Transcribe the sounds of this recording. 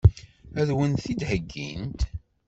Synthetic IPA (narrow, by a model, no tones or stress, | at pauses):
æðwənθid̪həɡːḭnt̪